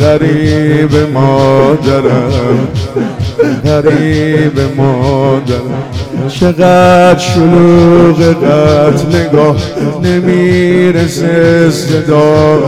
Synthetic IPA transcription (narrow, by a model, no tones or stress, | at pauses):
ʁaɾibemɔːd̪aɾam | ʁaɾibemɔːd̪aɾat͡ʃʰeɣat̪ʃoluːɣeqat̪ʰleɡɒːhnemiɾesesed̪ɔː